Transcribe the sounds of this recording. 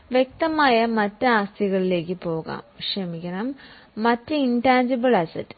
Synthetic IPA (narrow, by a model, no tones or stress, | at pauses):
ʋje̞k̚t̪ɐmaːjɐmɐtːeaːst̪ʰiɣɐɭile̞ːkːɨpo̞ːɣa̰ːmʂɐmikʲːɐnɐmː | ɐtːeintaːnd͡ʑibɨɭɐsɐtː